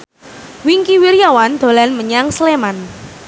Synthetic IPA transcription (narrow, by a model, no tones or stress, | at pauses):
wiŋkiwiɾjawand̪̥o̤lanməɲaŋsleman